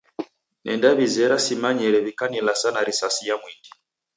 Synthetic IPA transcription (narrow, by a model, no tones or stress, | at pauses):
nʔɛ̰ndaβizɛɾasimaɲɛɾɛβikanɛlasanaɾisasijamwindi